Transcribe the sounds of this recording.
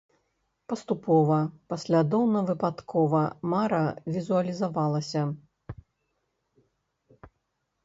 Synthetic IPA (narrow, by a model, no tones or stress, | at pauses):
pɐst̪upɔvɐpasʲlʲad̪ɔwnɐvɨpat̪kʰɔvɐmaɾɐvʲizuɐlʲizavalˠɐsʲɐ